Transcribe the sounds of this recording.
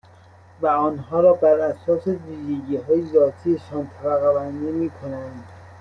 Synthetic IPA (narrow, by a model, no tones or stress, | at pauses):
væɒːnɦɒːɾɒːbæɾæsɒːse̞viːʒeɟiːɦɒːjezɒːt̪ʰiːeʃɒːnt̪ʰæbæɣæbænd̪imiːkʰonænd̪̥